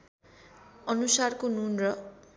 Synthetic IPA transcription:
ʌnusarkonunrʌ

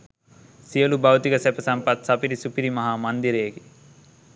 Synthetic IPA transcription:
sijɐlubʱɐwt̪ikɐsepɐsɐmpɐt̪̚sɐpiɾisupiɾimɐɦamɐnd̪iɾeːɡi

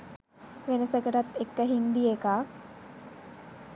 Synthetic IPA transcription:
ʋenəsəkəʈat̪ːekːəɦind̪iekaː

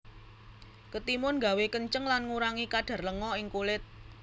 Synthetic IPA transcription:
kət̪imʊnɡa̤wekəɲt͡ʃəŋlanŋuɾaŋikaɖ̥ä̤rləŋɔɪŋkulɪt̪̚

